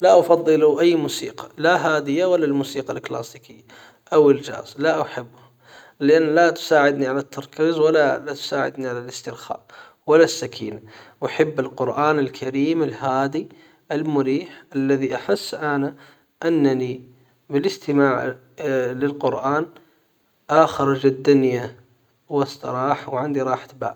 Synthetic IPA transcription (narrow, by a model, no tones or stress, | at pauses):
laʔafɑðˤːɨluʔajːmuːsiːqɑ̥laɦaːd̪ɪjawalːalmuːsiːqalkla̰ːsiːkɪjːa | ʔawɪld͡ʒa̰ːzlaʔaħɪbːʊh | lɪʔanːlat̪ʊ̥saːʕɪd̪niʕalat̪ʰːɑɾˤkiːzwalːalat̪ʊ̥saːʕɪ̰d̪niʕalalɪst̪ɪlxa̰ːʔ | walasːakʰiːnawaħabːalqʊɾʔaːnɪlkʰaɾiːmalɦaːd̪i | ʔalmʊɾiːħʔalːaðiʔaħɪsːʔana | ʔanːani | bɪlɪst̪ɪmaːʕ | lɪlqʊɾʔaːn | ʔaxɑɾˤɑd͡ʒad̪ːʊnja | wɑsˤt̪ɑ̰ɾɑːħawʕɪnd̪iɾˤɑːħt̪ba̰ːʔ